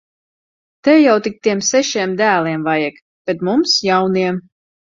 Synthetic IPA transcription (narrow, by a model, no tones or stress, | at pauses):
t̪ɛwjawt̪ik̚t̪iɛmsɛʃiɛmd̪æːlˠiɛmvajɛk | b̥et̪mumsjawniɛm